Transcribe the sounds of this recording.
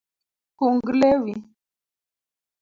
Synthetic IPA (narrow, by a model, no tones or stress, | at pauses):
kuŋɡlewi